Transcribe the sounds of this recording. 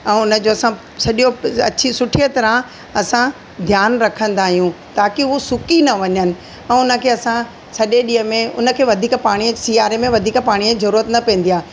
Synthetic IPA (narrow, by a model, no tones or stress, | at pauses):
ɛ̃ːʊnə̆d͡ʑoːɐsã | sɐʄjoɐt͡ɕʰisʊʈʰijət̪ɐɾə̃ | ɐsã | d̪ʱjaːnɾɐkʰə̃nd̪aːɦijũ | t̪aːkiʊosʊkinɐʋɐɲənɪ̆ | ɛ̃ːʊnə̆kʰeːɐsã | sɐɗeɗĩːəmẽʊ̰nə̆kʰeːʋɐd̪ʱiːkpaːɽ̃isiːaːɾemẽʋɐd̪ʱiːkpaːɽ̃izɐɾuːɾət̪nɐpẽːnd̪ijaː